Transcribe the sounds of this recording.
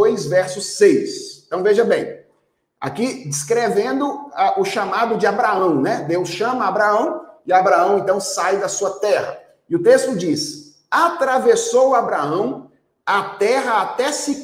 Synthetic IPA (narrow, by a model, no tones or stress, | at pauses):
ojsvɛɾsʊsejsẽt̪ɐ̃w̃veʒɐbẽj̃ | a̰kid͡ʒiskɾevẽnd̪ʊaʔʊʃamad̪ʊd͡ʒɪabɾaɐ̃w̃nɛd̪ewsʃɐ̃mɐːbɾaɐ̃w̃ɪabɾaɐ̃w̃ẽnt̪ɐ̃w̃sajd̪ɐsuɐt̪ɛhɐ̰ | ɪʊt̪est̪ʊd͡ʒis | at̪ɾavesowabɾaɐ̃w̃ | at̪ɛɦɐat̪ɛsɪ